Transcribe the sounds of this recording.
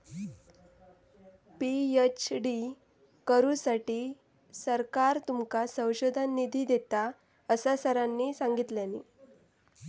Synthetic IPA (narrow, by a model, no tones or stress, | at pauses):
piet͡ɕɖi | kəɾusaʈiː | səɾkaɾt̪umkasə̃w̃ɕod̪ʱanːid̪ʱiːd̪et̪a | əsasəɾanːiːsaŋɡit̪ljanḭː